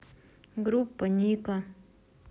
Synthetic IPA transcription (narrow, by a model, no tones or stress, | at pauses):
ɡɾupːaɲika